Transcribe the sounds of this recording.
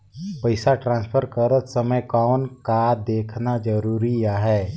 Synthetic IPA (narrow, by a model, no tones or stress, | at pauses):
pəɪsaʈɾãːnspʰəɾkəɾət̪səməjkɔːnkad̪eːkʰnad͡ʒəɾuːɾiaɦɛː